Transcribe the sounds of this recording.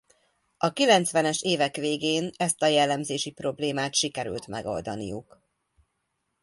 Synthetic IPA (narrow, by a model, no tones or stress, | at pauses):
ɒkilɛnt̪sʋɛnɛʃeːvɛkʋeːɡeːnɛst̪ɒjɛlːɛmzeːʃipro̞bleːmaːt̪ʃikɛɾy̰lt̪mɛ̰ɡo̞̰ld̪ɒ̰nḭjuk